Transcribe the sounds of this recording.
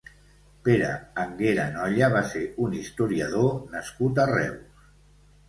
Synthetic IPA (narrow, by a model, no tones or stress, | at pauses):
peɾə̰ːŋɡeɾanɔʎəβaseunist̪uɾiaðonəskut̪arɛ̰ws